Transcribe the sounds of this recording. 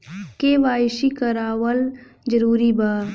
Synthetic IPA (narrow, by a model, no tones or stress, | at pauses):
keːʋaːʃikəɾaːwəl | d͡ʒəɾuːɾibaː